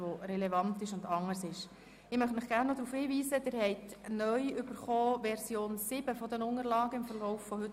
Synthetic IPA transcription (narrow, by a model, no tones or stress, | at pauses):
ʋoɾɛlɛvɑntɪʃʊndɑŋːəɾsɪʃ | ɪmœχtmɪχɡ̥æːɾnːɔd̥̪ɾuːfhiːʋiːzədɪɾhɛɪtnœʏʏbəɾχɔːʋɛɾsjoːnsɪb̥əfɔd̪ənʊŋəɾlɑːɡəɪmfəɾlɔʊfːɔhɵt